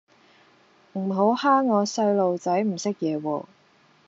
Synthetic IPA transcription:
m̩˨˩ɦo˨˥whaː˥ŋːɔː˨˧sɐ˧jlo˨wt͡sɐ˨˥jm̩˨˩sɪ˥k̚jɛː˨˧wɔː˧

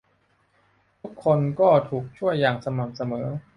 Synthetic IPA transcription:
t̪ʰu˦˥kʰːo˧nkɔː˥˩t̪ʰuː˨˩k̚t͡ɕʰu˥˩əjaː˨˩ŋsa˧ma˨˩msa˧mɤː˩˦

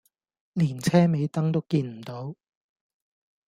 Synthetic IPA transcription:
liː˨˩nt͡sʰɛː˥me˨˧jt̪ɐ˥ŋt̪o˥wkiː˧nm̩˨˩t̪o˨˥w

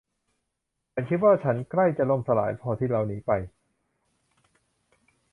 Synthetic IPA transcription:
t͡ɕʰa˦˥nkʰi˦˥t̪̚waː˥˩t͡ɕʰa˦˥nkla˥˩jt͡ɕa˨lo˧˩msa˧la̰ː˩˦jpʰɔː˧t̪ʰiː˥˩ɾa˧˩wniː˦˥pa˧j

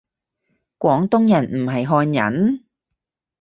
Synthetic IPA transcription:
kʷɔː˨˥ŋt̪ʊ˥ŋjɐ˨˩nm̩˨˩ɦɐ˨jɦɔː˧njɐ̰˨˥n

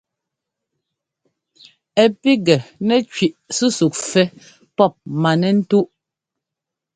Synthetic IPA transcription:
ɛ˨pi˦ɡɛ˨nɛ˦˨t͡ʃɥi˨ʔsu˦su˨k̚fɛ˦ | pɔ˦˨p̚ma˨nɛ˦n̩˦tu˦ʔ

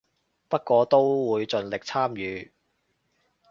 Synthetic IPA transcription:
pɐ˥t̚kʷɔː˨˧t̪o˥wwuː˨˧jt͡sɵ˨nlɪ˨k̚t͡sʰaː˥mjyː˨˧

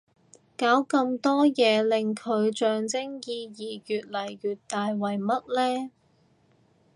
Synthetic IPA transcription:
kaː˨˥wkɐ˧mt̪ɔː˥jɛː˨˧lɪ˨ŋkʰɵ˨˧ɥt͡ʃœː˧ŋt͡sɪ˥ŋjiː˧jiː˨˩jyː˨t̚lɐ˨˩jɥyː˨t̚t̪aː˨jwɐ˨˩jmɐ˥t̚lɛː˥

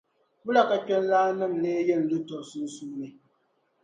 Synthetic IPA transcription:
bʊ˦la˨ka˨kɛ˦n˦laː˦nɨ˦˨mleː˦jɛ˦n̩˨lɨ˦tɔ˨su˦n˦suː˦nɨ˨

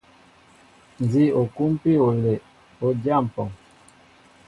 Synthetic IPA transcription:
n˨zi˦o˨ku˦m˦pi˦o˨le˨ | o˨d͡ʒa˦˨m̩˨pɔ˨ŋ

